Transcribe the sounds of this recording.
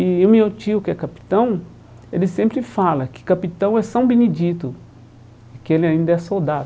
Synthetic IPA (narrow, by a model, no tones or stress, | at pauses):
iwmeot͡ʃiʊkɪɛkapi̥t̪ɐ̃w̃ | elɪsẽmpɾɪfalɐkɪ̥kapit̪ɐ̃w̃ɛsɐ̃w̃benid͡ʒit̪ʊ | ɪkɪelɪaĩnd̪ɐɛsowd̪av